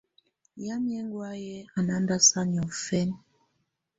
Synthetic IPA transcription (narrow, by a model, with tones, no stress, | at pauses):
ja˦mjɛ˦ŋɡwa˦jɛ˦a˨na˦nda˦sa˦ɲ˨ɔ˨fɛ˦n